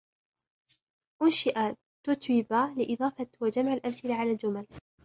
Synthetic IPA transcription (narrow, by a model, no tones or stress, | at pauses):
ʔʊnʃɪʔa | t̪ʊt̪wɪbaːlɪʔɪðˤɑːfɑwad͡ʒamʕalʔabθɪlaʕalaːld͡ʒʊmal